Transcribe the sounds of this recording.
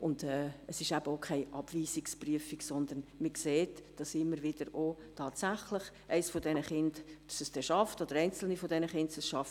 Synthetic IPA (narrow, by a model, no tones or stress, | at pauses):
ʊndɛːəsɪʃæb̥əokʰaɪʔɑb̥viːsikspryəfiksɔnd̪ənmɪkseːtd̥ɑsɪmːəɾvɪd̥əɾotʰɑːtsæχlɪχ | ʔæɪsfodɛnəχɪnd̥ɑsəsd̥ɛʃɑftod̥əɾɛɪnt͡sl̩nifodɛnəχɪndsɛsʃɑf